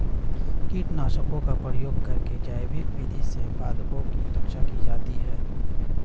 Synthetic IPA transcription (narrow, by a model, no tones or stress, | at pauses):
kiːʈnaːʃəkõkapɾəjoːɡkɐɾked͡ʒaːjbɪkʋɪd̪ʱisebaːd̪põkiɾəkʃakid͡ʒaːt̪iɦɛː